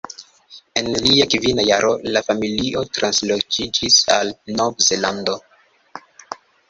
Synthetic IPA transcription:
e̞nliakvinajaɾʔo̞lafamiliʔo̞tɾanslod͡ʒid͡ʒisalnovze̞lando̞

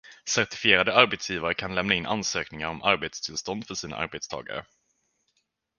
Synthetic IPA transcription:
sæɾʈ̪ɪ̥fɪeːɾad̪əaɾbet̪sjiːvaɾəkʰanlɛmnaɪnːʔa̰nsøːknɪŋaɾɔmʔaɾbeːt̪st̪ʰɪlst̪ɔnd̪fœʂiːna̰ʔa̰ɾbet̪st̪ʰɑ̰ːɡa̰ɾə̰

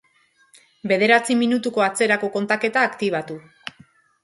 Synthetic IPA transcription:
be̞ð̞e̞ɾat͡siminut̪uko̞at͡se̞ɾako̞ko̞nt̪ake̞t̪aːkt̪iβ̞at̪u

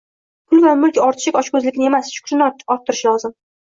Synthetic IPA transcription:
pʰʊlvamʊlkʲɒɾt̪ʰɪ̥ʃɪkʲɒt͡ʃkʰɵzlɪkʲɪnɪe̞masʃʊ̥kʲʰʃɪnɒt̪ːɪɾɪʃlɒzɪm

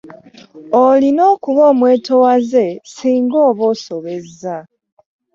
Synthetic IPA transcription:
olinoːkuβoːmwe̞ːtʰowaze̞siːŋɡo̞ːβo̞ːso̞βe̞za

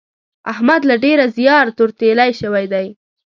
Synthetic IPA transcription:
ahmad̪laɖeɾazjɑɾt̪ʊɾt̪elajʃəwajd̪aj

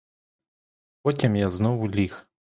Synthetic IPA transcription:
pɔtʲimjaznɔwʊlʲix

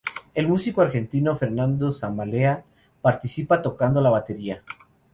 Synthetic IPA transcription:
e̞lmusikoaɾxe̞nt̪ino̞fe̞ɾnand̪osamalea | paɾt̪isipat̪o̞kand̪olaβat̪e̞ɾia

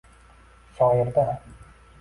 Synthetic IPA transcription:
ʃɒjɪɾd̪a

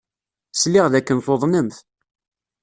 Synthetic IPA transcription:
slɪʁðækːənθoðˤnəmθ

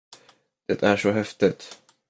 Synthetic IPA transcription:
d̪̥ɛt̪ʰæʂɔɦɛft̪ɪt̪

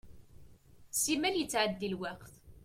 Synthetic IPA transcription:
simæljət͡sːʕəd̪ːilwæqθ

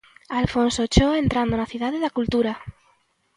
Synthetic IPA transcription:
alfonsot͡ʃoe̞nt̪ɾand̪onaθjiðaðeðakult̪uɾa

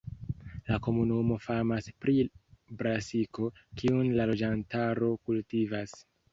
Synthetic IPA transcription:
lako̞munumo̞famaspɾibɾasiko̞kiunlalo̞d͡ʒantaɾo̞kultivas

